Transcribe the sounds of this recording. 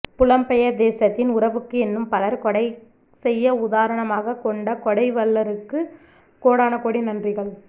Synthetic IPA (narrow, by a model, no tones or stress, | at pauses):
pʊlɐmpɛjɐd̪eːsɐt̪ːɪnʊɾɐʋɯkːɯɛnːɯmpɐlɐɾkɔɽɐɪ | sɛjːɐʊðaːɾɐɳɐmaːɣɐkɔɳɖɐkɔɽɐɪʋɐɭːɐɾɯkːɯ | koːɽaːnɐkoːɽinɐndrɪɣɐɭ